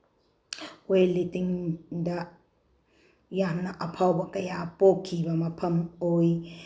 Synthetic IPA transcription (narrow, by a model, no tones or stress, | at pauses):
ojlitiŋdɐ | jamnɐʔɐpʰawbɐkɐjapokʰːibɐmɐpʰɐmoj